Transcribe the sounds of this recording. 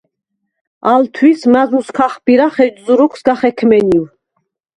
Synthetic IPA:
alt̪ʰwismazuskʰaχbiɾaχɛd͡ʒzuɾɔkʰsɡaχɛkʰmɛniw

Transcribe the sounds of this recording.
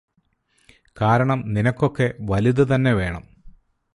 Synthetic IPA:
kaːɾɐɳɐmninɐkːo̞kːe̞ʋɐliðɨt̪ɐnːe̞ʋe̞ːɳɐ̰m

